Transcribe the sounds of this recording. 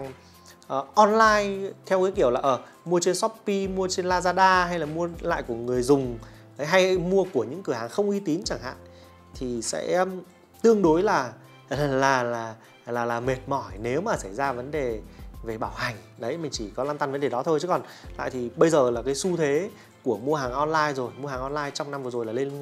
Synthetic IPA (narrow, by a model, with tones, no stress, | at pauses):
ʔːʔɔ˧nlaː˧jt̪ʰɛ˧wkaː˨˦jki˧˩əwlaː˨˩ʔəː˧˩ | mu˧ət͡ɕe˧nsɔ˦˥p̚pi˧mu˧ət͡ɕe˧nlaː˧zaː˧ɗaː˧ɦa˧jlaː˨˩mu˧əla̰ː˧˨jku˧˩əŋɨ˨˩əjzʊ˨˩ŋ͡m | ə˨˦jɦa˧jmu˧əku˧˩əɲɨ̰˧˥ŋkɨ˧˩əɦaː˨˩ŋxə˧wŋ͡mʔi˧t̪i˨˦nt͡ɕaː˧˩ŋha̰ː˧˨ŋ | t̪ʰi˨˩sɛ̰˧˥˦ | t̪ɨ˧əŋɗo˨˦jlaː˨˩˨ | laː˨˩laː˨˩ | laː˨˩laː˨˩me˨˩t̚mɔ˧˩jne˨˦wmaː˨˩sa˧˩jzaː˧və˨˦nɗe˨˩ve˨˩ɓaː˧˩wha˨˩jŋ̟ɗə˨˦jmï˨˩ŋ̟t͡ɕi˧˩kɔ˨˦laː˧mt̪a˧nvə˨˦nɗe˨˩ɗɔ˨˦t̪ʰo˧jt͡ɕɨ˨˦kɔ˨˩n | la̰ː˧˨jt̪ʰi˨˩ɓə˧jzəː˨˩laː˨˩ka˨˦jsu˧t̪ʰe˨˦ | ku˧˩əmu˧əɦaː˨˩ŋʔɔ˧nlaː˧jzo˨˩jmu˧haː˨˩ŋʔɔ˧nlaː˧jt͡ɕɔ˧wŋ͡mna˧mvɨ˨˩zo˨˩jlaː˨˩le˧n˧